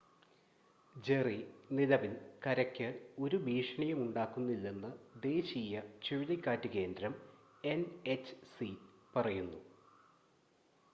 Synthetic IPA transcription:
d͡ʑe̞riniðɐʋilkɐɾɐkʲːɨo̞ɾubʱiːʂɐɳɐjɐmuɳɖaːkːunːilːe̞nːɨd̪e̞ːɕiːjɐt͡ɕiɻiðikʲːaːtːɨke̞ːnd̪ɾɐm | enet͡ɕːsipɐrɐjunːu

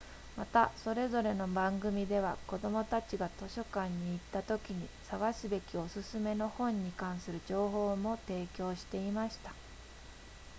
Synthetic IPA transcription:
mat̪aso̞ɾe̞zo̞ɾe̞no̞bãŋɡɯ̟mʲid̪e̞β̞ako̞d̪o̞mo̞t̪at͡ɕiɡat̪o̞ɕo̞kãɲ̟ːiːt̪ːat̪o̞kʲiɲ̟isaɡasɨbe̞kʲio̞sɨsɨme̞no̞hõ̞ɲ̟ːikãɰ̃sɨɾɯ̟ʑo̞ːɦo̞ːmo̞t̪e̞ːkʲo̞ːɕi̥t̪e̞imaɕi̥t̪ḁ

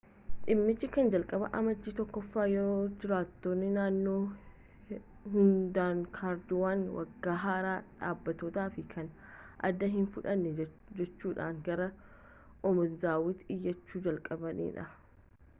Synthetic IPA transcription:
ᶑɪmːɪt͡ʃːɪkɐnd͡ʒɐlkʼɐbɐ̰ʔɐmɐd͡ʒːiːt̪ɔkːɔfːaːjɛɾo̞ːd͡ʒɪɾaːt̪ːoːnːɪnaːnːo̞ː | hʊnd̪aːŋkʰaːɾd̪ʊwaːnwɐ̰ɡːaːɦaːɾaːᶑa̰ːbːɐt̪ɔt̪aːfɪkʰɐnʔɐ̰d̪ːɐɦɪnfʊᶑɐnːɛ | d͡ʒɛt͡ʃːuːᶑa̰ːŋɡɐɾɐ | ʔɔmʊnzaːwɪt̪ɪjːɐt͡ʃːuːd͡ʒɐlkʼɐbɐnḭːᶑɐ

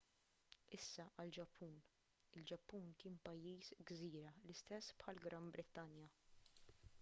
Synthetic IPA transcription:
ɪsːɐʔɐld͡ʒɐpʰːuːn | ɪld͡ʒɐpːuːnkɪnpɐjːiːsɡziːɾɐlɪst̪ɛsːpħɐlɡɾɐmbɾɪt̪ɐnjɐ

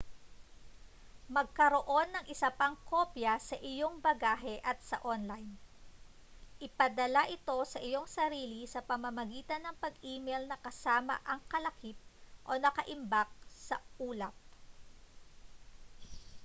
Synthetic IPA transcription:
mɐɡ̚kɐɾo̞ʔo̞nːɐŋʔɪsɐpɐŋkʰo̞pjɐsɐʔɪjo̞ŋbɐɡaːɦɛʔɐt̪̚sɐ̰ʔonlɐjn | ʔɪpɐd̪ɐlaʔɪt̪o̞sɐʔɪjo̞ŋsɐɾiːlisɐpɐmɐmɐɡiːt̪ɐnːɐŋpɐɡʔiːmɛjlnɐkɐsaːmɐ̰ʔɐŋkɐlɐkip̚ʔo̞nɐkɐʔɪmbak̚sɐʔuːlɐp̚

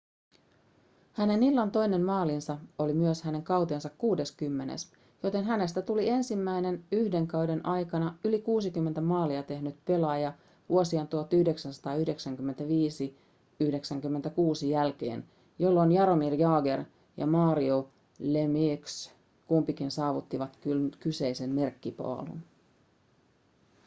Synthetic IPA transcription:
hæne̞nilːɑnt̪o̞jne̞nmɑːlinsɑolimyøshæne̞ŋkɑwt̪eːnsɑkkuːde̞skymːe̞nḛs | jo̞t̪e̞nɦæne̞st̪æt̪ulie̞nsimːæjne̞nyhde̞ŋkɑwde̞nʔɑjkɑnɑylikuːsikymːent̪æmɑːliɑt̪e̞ɦnyt̪pe̞lɑjɑ | ʋuosiɑnt̪uot̪ːyhdeksænsɑ̥t̪ɑːyhde̞ksæŋkymːent̪æʋiːsi | yhde̞ksæŋkymːe̞nt̪ækuːsijælk̟e̞̰ːn | jo̞lːo̞njɑɾo̞mirjɑːɡe̞r | jɑ̰mɑːɾio | lemiks | kumpikinsɑːʋut̪ːiʋɑt̪kkyse̞jse̞nme̞rkːipɑ̰ːlṵn

